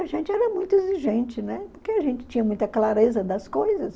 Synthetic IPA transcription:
aʒẽnt͡ʃɪɛɾɐmũj̃t̪ʊeziʒẽnt͡ʃɪnɛpoɾkeaʒẽnt͡ʃɪ̥t͡ʃĩɲɐmũj̃t̪ɐklaɾezɐd̪ɐskojzɐs

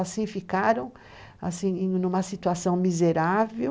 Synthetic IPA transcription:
asĩfikaɾɐ̃w̃ | a̰sĩẽj̃nũmɐsit̪uasɐ̃w̃mizeɾave

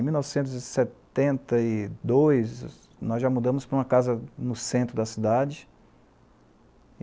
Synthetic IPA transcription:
miuwnɔvɪsẽnt̪̬ʊzɪsett̪ẽnt̪ɐid̪ojs | nɔzʒamud̪ɐ̃mʊspɾɐũmɐkazɐnʊsẽnt̪ɾʊd̪ɐsid̪ad͡ʒɪ

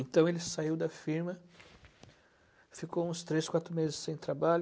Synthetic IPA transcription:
ẽt̪ɐ̃w̃elɪsaiwd̪ɐfiɾmɐ | fikowũst̪ɾeskwat̪ɾʊmezɪsːẽj̃t̪ɾabaʎ

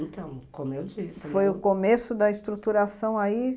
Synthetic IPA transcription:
ẽt̪ɐ̃w̃kõmewd͡ʒisfojʊkomesʊd̪ɐɪst̪ɾut̪uɾasɐ̃w̃ai

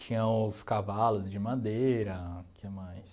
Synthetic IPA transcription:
t͡ʃĩɲɐ̃ʊskavalʊzd͡ʒɪmad̪eɾɐkʰemajs

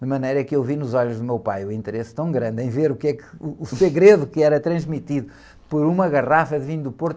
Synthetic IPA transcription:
ɨmɐnejɾɐɛkewvinuzɔʎuʒðumewpajuĩnt̪ɨɾest̪ɐ̃w̃ɡɾɐ̃nd̪ẽj̃veɾukɛkɨuːsɨɣɾeðukɨɛɾɐt̪ɾɐ̃ʒmit̪iðu | pɔɾumɐɣɐʁafɐðvĩɲd̪upoɾt̪

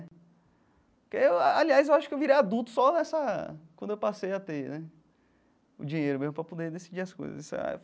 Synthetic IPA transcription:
kɪewaliajzewaʃʊ̥kɪewviɾejad̪ut̪ʊ̥sɔnɛsɐkwɐ̃d̪ʊewpasejat̪enɛ | ʊ̰d͡ʒĩɲejɾʊmezmʊpɾɐpod̪ed̪esid͡ʒiɐsko̰jzɐ̰zisɛ̰

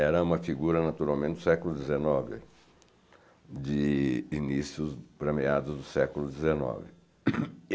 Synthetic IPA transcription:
ɛɾɐũmɐfiɡuɾɐnat̪uɾawmẽt̪t͡ʃ̪ɪd̪ʊsɛkʊlʊd̪ezenɔvɪ̰ | d͡ʒɪinisiʊzbɾemiad̪ʊzd̪ʊsɛkʊlʊd̪ezenɔ̰vɪ

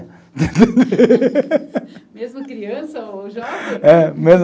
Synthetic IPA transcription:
t̪et̪ẽd̪e | mezmɐkɾiɐ̃sɐoʒɛmezm

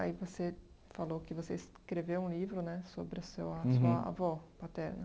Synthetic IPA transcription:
aivose | falokɪvoseiskɾevewũlivɾʊnɛsobɾɪɐsewɐsuɐa̰vɔpat̪ɛɾnɐ

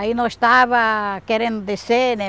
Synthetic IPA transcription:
ainõest̪aβakeɾẽnd̪ʊd̪esene

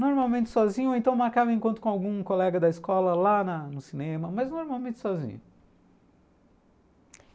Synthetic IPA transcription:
noɾmawmẽt͡ʃɪ̥sɔzĩɲʊoẽnt̪ɐ̃w̃maɾkavɐẽkõnt̪ʊkõawɡũkolɛɡɐd̪ɐiskɔlɐlanɐnʊsinẽmɐmɐznoɾmawmẽt͡ʃɪ̥sɔzḭ̃ɲʊ

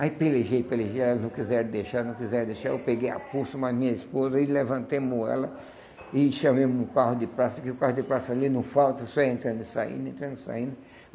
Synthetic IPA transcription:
aipeleʒejpeleʒejɛlɐnɐ̃w̃kizɛɾd̪eʃaɾnɐ̃w̃kizɛɾd̪eʃaɾewpeɡeja̰pusɐmazmĩɲɐispozɐɪlevɐ̃nt̪ejmoɛ̰lɐ | ɪʃɐmẽjmʊ̃kaɦʊd̪ɪpɾasɐkɪʊkahʊd̪ɪpɾasɐalinɐ̃w̃fawt̪ɐsɔɛẽnt̪ɾɐ̃nd̪ʊɪsaḭ̃nd̪ʊẽnt̪ɾɐ̃nd̪ɪsa̰ĩnd̪ʊ

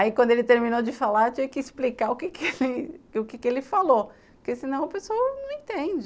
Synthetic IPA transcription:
aikwɐ̃d̪ʊelɪt̪eɾmĩnod͡ʒɪfalaɾt͡ʃĩvɪ̃kɪsplikaɾʊkɪkɪelɪʊkɪkɪelɪfalo | pʊɾkesinɐ̃w̃ɐpesowɐnɐ̃w̃ẽt̪ẽd͡ʒɪ

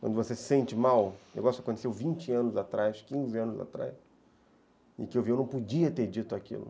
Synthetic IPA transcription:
kwɐ̃nd̪ʊvosesẽnt͡ʃɪmawḛwɡɔsʊɐkõt̪esewvĩnt͡ʃɪɐ̃nʊzat̪ɾajskĩzɪɐ̃nʊza̰t̪ɾa̰js | ɪ̰kɪewviewnɐ̃w̃pod͡ʒiɐt̪eɾd͡ʒit̪ʊakḭlʊ̰

